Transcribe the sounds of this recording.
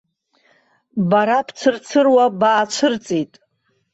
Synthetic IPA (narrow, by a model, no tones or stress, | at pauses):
baɾapʰt͡sʰɨrt͡sʰɨrwabaːt͡ʃʷʰɨrt͡sʼitʼ